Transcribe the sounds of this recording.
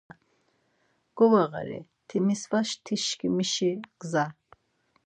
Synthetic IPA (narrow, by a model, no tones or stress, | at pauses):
ɡ̥ɔwaʁa̰ɾḭ | t̪ʰimisvaʃt̪ʰiʃkimiʃiɡza